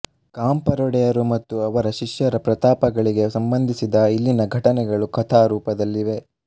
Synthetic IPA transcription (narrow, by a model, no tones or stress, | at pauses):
kaːmpɐɾɔɽɛjɐɾumɐt̪ːuɐʋɐɾɐʃiʃjɐɾɐpɾɐt̪aːpɐɡɐɭiɡe̞sɐmbɐnd̪ʱisid̪ɐilːinɐɡʱɐʈɐnɛɡɐɭukʰɐt̪ʰaːɾuːpɐd̪ɐlːiʋe̞